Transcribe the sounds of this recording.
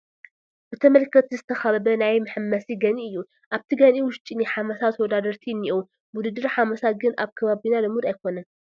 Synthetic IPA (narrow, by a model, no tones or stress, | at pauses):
b̥ɨt̪ʰɐmɐlkʰːɐt̪ʰizɨt̪ʰɐxɐβɐbɐnajmɨħɨmːɐsiɡɐniʔɨjːu | ʔaβt̪ʰiɡaniwʊʃt͡ʃʼinɨħamɐsat̪wɔd̪ad̪ɐɾt̪ʰinːiʔu | mud̪ɨd̪ɨɾħamɐsat̪ɡɨnʔaβkʰɐβaβinalɨmud̪ajkʰo̞nɐn